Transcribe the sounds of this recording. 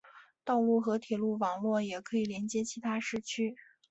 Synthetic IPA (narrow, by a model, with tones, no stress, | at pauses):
t̪ɑ˥˧ʊlu˥˩xɤ˧˥t̪ʰjɛ˨˩lu˥˩wɑ˨˩ŋlwɔ˥˩jɛ˨˩kʰɤ˧˥i˨˩ljɛ˧˥nt͡ɕjɛ˥t͡ɕʰi˧˥t̪ʰa˥ʂɻ̩˥˩t͡ɕʰy˥